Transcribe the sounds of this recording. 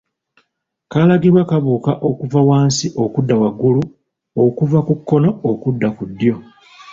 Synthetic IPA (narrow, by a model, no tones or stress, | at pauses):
kalaɡiɾwakaβuːkaʔokuvawaːnsiʔo̞kudːawaɡulu | okuvakukːo̞no̞okudːakudːjo̞